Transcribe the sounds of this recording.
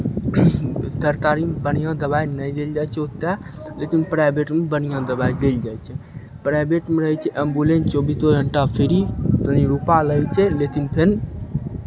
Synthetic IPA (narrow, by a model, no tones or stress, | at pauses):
t̪əɾt̪aɾimbən̤ijãd̪əbajnəjd̪eld͡ʒajt͡ʃʰɛut̪ːalekinpɾajbeʈmebənijãd̪əbajd̪eld͡ʒajt͡ʃʰɛ | pɾajbeʈmeɾəɦət͡ʃʰɛʔembulent͡ʃobisoɡʱəɳʈapʰeɾit̪əniɾupaləɦɛt͡ʃʰɛlekinpʰen